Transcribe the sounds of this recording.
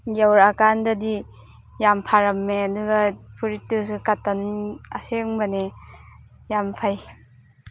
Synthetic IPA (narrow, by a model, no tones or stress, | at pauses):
jawɾakandɐdi | jampʰaɾɐmːeɐduɡɐpʰuɾitːɯsɯkatanɐseŋbɐne | jampʰaj